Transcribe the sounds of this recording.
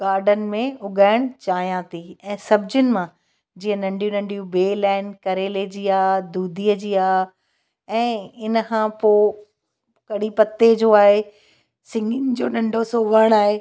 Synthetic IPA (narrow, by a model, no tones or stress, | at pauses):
ɡaːɾɖən̆mẽʊɡaːɪɽ̃t͡ɕaːɦijãt̪ʰiɛ̃ːsɐbʱd͡ʑʊnɪ̆mã | d͡ʑiːɦə̃nɐ̃ɳɖʱijũnɐ̃ɳɖijũbeːlaːnkɐɾeled͡ʑiːaːd̪uːd̪ʱiːəd͡ʑiːaː | ɛ̃ːɪnəkʰãpoː | kɐɽipɐt̪ːed͡ʑoːaːɦe | sɪ̃ŋɡɪnɪ̆d͡ʑoːnɐ̃ɳɖʱosoːʋəɽ̃aːɦe